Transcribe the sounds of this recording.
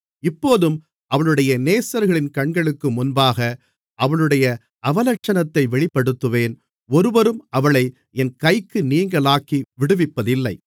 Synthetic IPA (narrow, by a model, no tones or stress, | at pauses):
ɪpːoːðɯm | ʔɐʋɐɭɯɽɐjɐneːsɐɾɣɐɭɪnkɐɳɡɐɭɯkːɯmʊnbaːɣɐ | ʔɐʋɐɭɯɽɐjɐ | ɐʋɐlɐk̚t͡ʃːɐnɐt̪ːɐɪʋɛɭɪpːɐɽɯt̪ːɯʋeːn | ɔɾɯʋɐɾɯmɐʋɐɭɐɪ | ɛnkɐɪkːɯniːŋɡɐɭaːkiʋɪɽɯʋɪpːɐðɪlːɐɪ